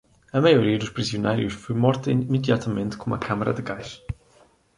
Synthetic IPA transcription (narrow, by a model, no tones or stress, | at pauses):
ɐmɐjuɾiɐd̪uʃpɾiziunajɾjuʃfojmɔɾt̪ɐmɨd̪jat̪ɐmẽnt̪ɨ̥kõũmɐ̰kʰamɐɾɐ̰d̪ɨɡajʃ